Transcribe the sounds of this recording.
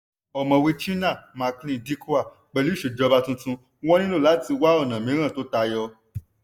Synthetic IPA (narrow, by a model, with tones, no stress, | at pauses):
ɔ˨mã˨we˧t͡ʃi˦nã˦˨ma˧klĩ˦˨di˦ku˦a˦˨ | k͡pɛ˨li˦ʃe˨d͡ʒɔ˧ba˧tũ˧tũ˧˦ | wɔ˦nĩ˦lõ˦˨la˨˦ti˧wa˦ɔ˦˨nã˨mĩ˨˦ɾ̃ã˦˨to˨˦ta˧jɔ˧